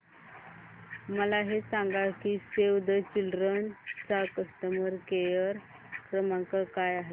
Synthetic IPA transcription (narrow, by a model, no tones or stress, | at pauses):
məlaɦesãŋɡakisewd̪ət͡ɕilɾənt͡sakəst̪əməɾkejəɾ | kɾəmaŋkəkajaɦe